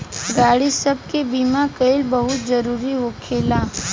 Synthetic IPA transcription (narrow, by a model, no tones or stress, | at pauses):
ɡaːɽisɐb̚kebiːmakɐɪlbɐɦʊt̪̚zɐɾuːɾiʋoːkʰeːlaː